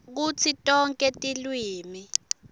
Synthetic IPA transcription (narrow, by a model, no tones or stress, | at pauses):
k̬ut͡sʰitʼɔŋkʼɛtʼilwiːmi